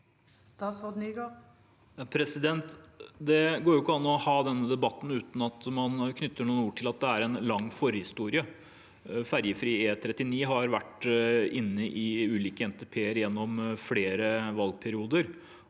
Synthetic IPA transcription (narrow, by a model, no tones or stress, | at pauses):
st̪ɑt̪sod̪niɡo | ɑpʰɾɛsɪd̪ɛnt̪d̪ɛɡoːɾjʊkːəɑnːɔhɑːd̪ɛnːəd̪ɛbɑt̪ːn̩ʉːt̪n̩ɑt̪mɑnkʰnʏt̪ʰːəɳuːnuːʈʰɪlɑt̪̚d̪ɛæɾɛnlɑŋːfɔɾəhɪst̪uːɾɪə | fæɾjəfɾiːeːt̪ʰɾɛt̪ːɪniːɦɑɾʋæʈːɪnːəʔɪʉːliːkəɛnt̪ɛpʰeːəɾjɛnːɔmfleːɾəʋɑlɡ̚pʰæɾɪuːd̪əɾ